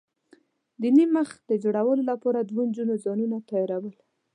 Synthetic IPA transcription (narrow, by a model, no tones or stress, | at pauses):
d̪iniməxd̪̥əd͡ʒoɽawəlolapɑɾad̪wond͡ʒunozɑnunat̪ɑjɑɾawəl